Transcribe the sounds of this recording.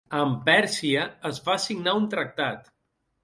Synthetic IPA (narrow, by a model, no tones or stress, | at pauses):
əmpɛɾsiəəzβaəsiɡnaunt̪ɾək̚t̪at̪